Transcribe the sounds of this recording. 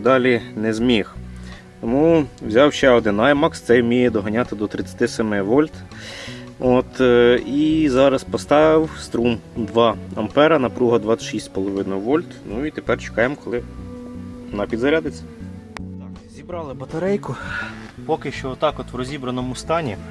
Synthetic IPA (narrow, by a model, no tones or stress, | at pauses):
d̪ɑlʲinɛzʲmʲix | t̪ɔmuwzʲɑwʃɛɔd̪ɪnːɑjmɑkst̪sɛjwmʲijɛd̪ɔɦɐnʲɑt̪ɪd̪ɔt̪ɾɪt͡sʲːɐ̥t̪ɪsɛmɪʋɔlʲt̪ | ot̪izɑɾɐspɔst̪ɑʋɪwst̪ɾumd̪ʋɑɐmpɛɾɐnɐpɾuɦɐd̪ʋɑʃisʲtʲpɔlˠɔʋɪnʊʋɔlʲt̪nuit̪epɛrt͡ʃe̥kɑjemkɔlˠɪ | nɐpʲid̪zɐɾʲad̪ɪt͡sʲɐ̥ | zʲibɾɑlˠɪbɐt̪ɐɾɛjkʊpɔkɪʃt͡ʃɔɔt̪ːɑkɔt̪wɾɔzʲibɾɐnɔmʊst̪ɑnʲi